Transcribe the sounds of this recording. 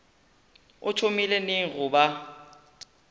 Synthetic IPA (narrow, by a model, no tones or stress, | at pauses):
ʊt͡ʃʰomileneŋ̩ɣʊba